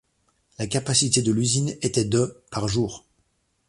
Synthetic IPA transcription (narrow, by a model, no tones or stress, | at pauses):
lakapasit̪ed̪əlyzinet̪ɛd̪əpaʁʒuːʁ